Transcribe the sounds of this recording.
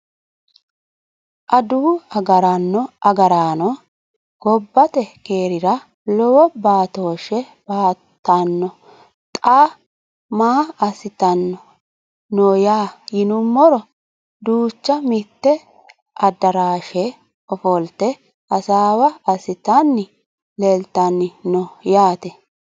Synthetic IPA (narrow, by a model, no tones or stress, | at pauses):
ʔɐd̪uːɐɡɐɾɐnːɔɐɡɐɾaːnɔ | ɡ̥ɔbːɐt̪ɛkeːɾɪɾɐ | lɔwɔbaːt̪oːʃɛ | baːt̪ːɐnːɔ | t̪ʼaː | maːɐsɪt̪ɐnːɔ | nɔjaːjɪnʊmːɔɾɔ | d̪uːt͡ʃːɐmɪt̪ːɛ | ʔɐd̪ɐɾaːʃɛ | ɔfɔlt̪ɛ | ɐsaːwɐɐsɪt̪anːɪ | leːlt̪ːanːɪnɔjaːt̪ɛ